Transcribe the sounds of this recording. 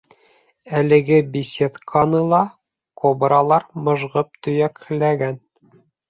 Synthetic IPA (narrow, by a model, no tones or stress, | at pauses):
ælɘ̆ɡɘbʲisʲet̪kʰɑnɤlˠɑ | kobɾɑlˠɑɾmɤ̆ʒʁɤp̚t̪ɵ̆jæklæɡæn